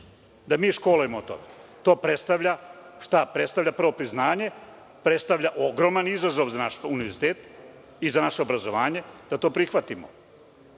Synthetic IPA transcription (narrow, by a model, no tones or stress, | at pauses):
d̪amiːʃko̞ːlujemot̪o̰met̪o̞ːpɾet̪st̪aʋʎaʃt̪apɾet̪st̪aʋʎʲapr̩ʋo̞pɾiznaːɲe̞ | pɾet̪st̪aʋʎaʔoɡɾo̞manizazo̞ʋzanaʃuniʋeɾzi̥t̪eːt̪ | izanaʃeobɾazo̞ʋaːɲe̞d̪̥at̪oːpɾixʋat̪imo̰